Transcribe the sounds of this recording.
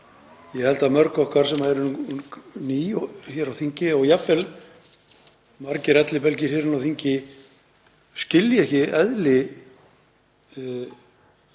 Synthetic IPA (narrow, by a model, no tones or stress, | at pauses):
jɛhɛlt̪aðmœɾkɔhkvaɾ̥sɛmaɛɾʏn | niːçjɛɾawθiɲcɪɔɣjafɛl | maɾcɪɾɛt̪lɪpɛlcɪɾ̥hjɛɾɪnawθiɲcɪ | scɪljɛhcɪɛðlɪ